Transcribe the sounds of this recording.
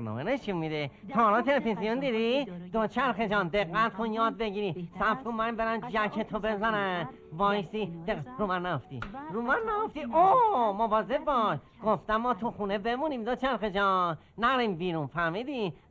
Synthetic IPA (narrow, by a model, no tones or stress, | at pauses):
mo̰ːmeneʃimid̪e | t̪ʰɒːɾɑt̪ʰelefizijond̪id̪id̪ot͡ʃʰæɾxed͡ʒɒːnd̪eɣːæt̪̚kʰonjɒːd̪̚beɟiɾisæfkonmæmbeɾæmd͡ʒækʰet̪ʰobezæɾæ | vɒːjsid̪eɾumænnæjoft̪ḭɾuːmænːæjoft̪iʔomobɒːzebbɒːʃ | ɡ̥oft̪æmːɒːt̪ʰuxuːnebemunimd̪ot͡ʃʰæɾxed͡ʒɒːnː | æɾimbiːɾũnfæɾmid̪i